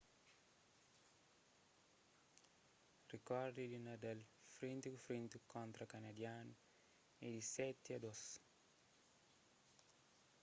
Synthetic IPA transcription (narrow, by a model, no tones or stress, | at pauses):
rekɔɾd̪id̪inad̪ɛlfɾĩnt̪ikufɾĩnt̪ikõnt̪ɾɐkanad̪janu | ed̪isɛt̪iɐd̪os